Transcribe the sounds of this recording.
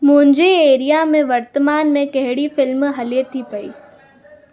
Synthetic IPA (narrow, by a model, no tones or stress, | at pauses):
mʊ̃ɦɪ̃ɲd͡ʑeeːɾijamẽʋɐɾt̪əmaːnmẽkɐɦɪɽifɪlmɦɐlet̪ʰipɐḭː